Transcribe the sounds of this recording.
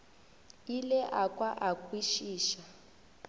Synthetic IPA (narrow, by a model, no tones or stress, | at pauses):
ilɛʔakʼwaʔakʼwiʃiːʃa